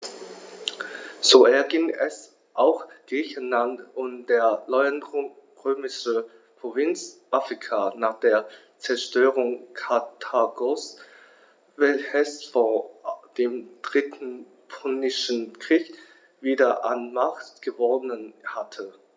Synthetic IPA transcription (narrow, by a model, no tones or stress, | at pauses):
z̥oːʔɛɐɡɪŋɛs | ʔaʊxɡ̥ʁiːçən̩lantʔʊntd̥eːɐlɔʏan | ʁøːmɪʃə | pʁ̥ovɪnt͡sʔafʁ̥ikʰanaːχd̥eːɐ | t͡sɛɐʃtøːʁʊŋkʰatʰaɡɔs | vɛlçəsfoːɐd̥eːmd̥ʁɪtn̩ | pʰɔnɪʃn̩kʁ̥iːk | viːdɐʔa̰nmaχttɡ̥əvɔnənhatʰə